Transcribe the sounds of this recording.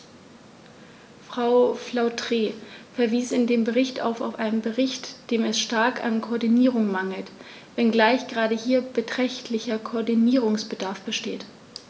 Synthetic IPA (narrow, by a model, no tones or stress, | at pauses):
fʁ̥aʊflaʊtʁ̥eːfɛɐviːsɪndeːmbəʁɪçta̰ʊfa̰ʊfʔaɪnəmbəʁɪçtd̥eːmɛsʃtaɐkʰa̰nkʰoːɐdiniːʁʊŋmaŋl̩t | vɛnɡlaɪçɡ̥ʁaːɾəhiːɐb̥ətʁ̥ɛçtʰlɪçɐkʰoːɐdiniːʁʊŋsb̥ədaɐfb̥əʃteːt